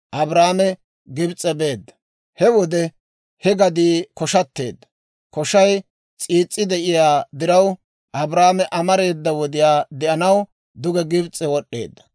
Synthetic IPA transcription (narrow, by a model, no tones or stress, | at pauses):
ʔɐbɾaːmɛ | ɡɪbt͡sʼɛbeːd̪ːɐ̥ | hɛwɔd̪ɛ | hɛɡɐd̪iːkɔʃɐt̪ːe̞̰ːd̪ːɐ̥ | kɔʃɐj | t͡sʼiːt͡sʼːɪd̪ɛʔɪjaːd̪ɪɾɐw | ʔɐbɾaːmɛʔɐmɐɾe̞ːd̪ːɐwɔd̪ɪjaːd̪ɛʔɐnɐw | d̪ʊɡɛɡɪbt͡sʼɛwɔɗːe̞ːd̪ːɐ̥